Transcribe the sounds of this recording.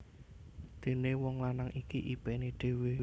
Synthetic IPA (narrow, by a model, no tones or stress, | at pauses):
d̪̥e̤newɔŋlanaŋʔikiʔib̥ɛneɖ̥e̤we